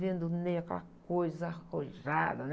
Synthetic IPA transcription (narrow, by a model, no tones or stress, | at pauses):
vẽnd̪ʊnẽkɛlakojzɐhoʒad̪ɐn